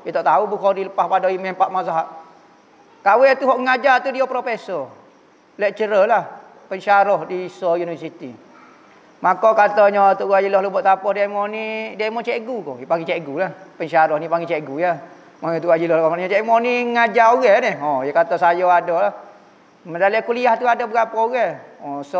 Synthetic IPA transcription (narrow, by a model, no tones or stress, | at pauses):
jet̪ɔʔt̪aubukɔdiləpahpadɔimɛmpaʔmas̬aɦaʔ | kawɛt̪uɦɔʔŋad͡ʒat̪udiopɾofesɔ | lɛʔt͡ʃəɾəlah | pəɲt͡ʃaɾɔhdiːsɔjunifəsit̪ḭ | makɔkat̪ɔɲɔt̪uʔwad͡ʒilɔhlɔbɔʔt̪apɔhdiamɔnidiamɔt͡ʃeʔɡuko̰paŋit͡ʃeʔɡulahpəɲʃaɾɔhnipaŋɡit͡ʃeɡuja | maɲɔt̪uʔɡad͡ʒilɔhlkɔmanɲt͡ʃɛʔmɔniŋad͡ʒauɡɛnɪhɔjakat̪ɔsajɔadɔlah | mədalɛʔkuliaht̪uadɔbəɡapɔuɡɛɔsɔ